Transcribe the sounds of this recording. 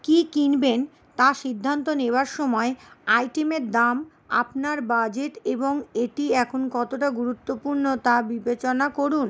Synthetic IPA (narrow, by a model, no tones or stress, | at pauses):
kikinben | t̪aʃid̪ʱːant̪oneoaɾʃɔmɔeajʈemeɾd̪am | a̰pnaɾbad͡ʑeʈeboŋeʈiɛkʰonkɔt̪oʈaɡuɾut̪ːopuɾnot̪abibet͡ɕonakoɾun